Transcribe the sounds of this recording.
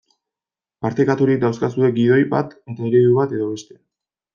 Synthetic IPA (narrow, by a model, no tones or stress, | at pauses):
paɾt̪ekat̪uɾik̚d̪awskasuðe̞ɡið̞o̞jba̰t̪e̞t̪ae̞ɾe̞ðuβat̪e̞ðo̞βe̞st̪e̞̥